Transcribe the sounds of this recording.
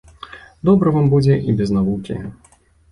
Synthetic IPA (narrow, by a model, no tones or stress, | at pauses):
d̪ɔbɾɐvambud͡zʲɛʔibʲɛznavukʲḭ